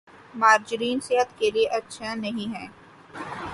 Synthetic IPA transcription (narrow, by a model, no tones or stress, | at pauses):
maːɾd͡ʒɾiːnsɪɦət̪kelieʔɐtːʃʰanɐɦĩɦɛ̃ː